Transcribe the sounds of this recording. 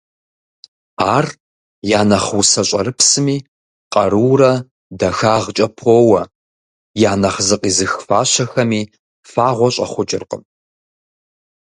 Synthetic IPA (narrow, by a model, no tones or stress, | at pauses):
aːr | jaːnɐχuwsɐɕʼɐɾɨpsɨmiː | qʼɐɾɨːrɐ | dɐxaːʁt͡ʃʼɐpʰowɐ | jaːnɐχzɨqʼiːzɨxfaːɕɐxɐmiː | faːʁʷɔɕʼɐ̰χʷʊt͡ʃʼɪrqʼə̰m